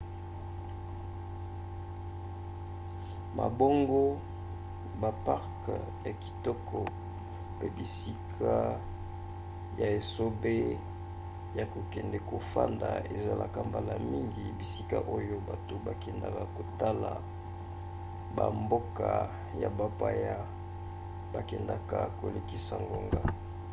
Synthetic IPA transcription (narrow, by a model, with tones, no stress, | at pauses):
ma̰˨bo˦ŋɡo˦ | ba˨pa˦ʁk | ja˨ki̥˨tɔ˦kʰɔ˨ | pe˦bi˨si˦kʰa˦ | ja˨e˨so˦be˦ | ja˨ko˨kɛ˨ndɛ˨ko˨fa̰˦nda̰˨ḛ˨za˦la̰˨ka˦mba˦la˨mi˦ŋɡi˨bi˨si˦ka̰˦ʔo˦jo˦ba˨to˨ba˨kɛ˨nda˨ka˨ko˨ta˦la̰˨ | ba̰˨mbo˦ka˨ | ja̰˨ba˦pa˦ja˦ | ba˨kɛ˨nda˨ka˨ko̰˨le˨ki˨sa˨ŋɡo˦ŋɡa˦